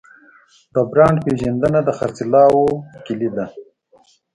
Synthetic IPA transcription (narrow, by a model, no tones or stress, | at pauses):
d̪abɾɑːɳɖpeːʒɐnd̪ənad̪əxa̰ɾt͡silɑːwokilid̪a